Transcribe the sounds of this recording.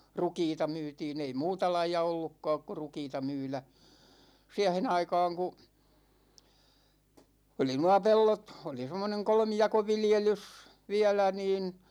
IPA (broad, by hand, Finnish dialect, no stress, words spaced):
rukiːtɑ myːtiːn ei muːtɑ lɑijɑ olːukːɒːk ku̞ rukiːtɑ myːlæ siæhen ɑikɑːŋ ku oli nuɑ pelːot oli semːoneŋ kolmijɑkoʋiljelys ʋiælæ niːn